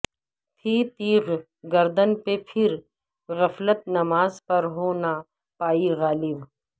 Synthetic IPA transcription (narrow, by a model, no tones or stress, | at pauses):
t̪ʰiːt̪iːɣ | ɡɐɾd̪ənpepʰɪɾ | ɣɐflət̪nɐmaːzpɐɾɦoːna | paːiɣaːlɪb